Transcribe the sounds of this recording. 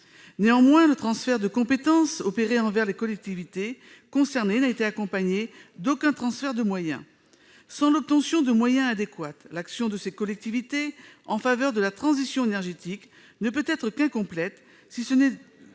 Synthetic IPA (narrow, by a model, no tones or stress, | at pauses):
neɑ̃mwɛ̃lət̪χɑ̃sfɛʁd̪əkɔ̃pet̪ɑ̃sɔpeʁeɑ̃vɛʁlekɔlɛk̚t̪ivit̪e | kɔ̃sɛʁnenaet̪eakɔ̃paɲed̪okɛ̃t̪χɑ̃sfɛʁd̪əmwajɛ̰̃ | sɑ̃lɔp̚t̪ɑ̃sjɔ̃d̪əmwajɛ̃ad̪ekwat̪laksjɔ̃d̪əsekɔlɛk̚t̪ivit̪eɑ̃favœʁd̪əlat̪χɑ̃zisjɔ̃enɛʁʒet̪ik | nəpøt̪ɛt̪χəkɛ̃kɔ̃plɛt̪ | sisənɛ